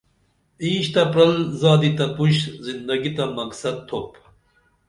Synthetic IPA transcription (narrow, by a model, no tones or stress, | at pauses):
ĩːɕt̪ɐpɾɐlzaːd̪it̪ɐpuɕzind̪ɐɡit̪ɐmɐksɐd̪̚t̪ʰːop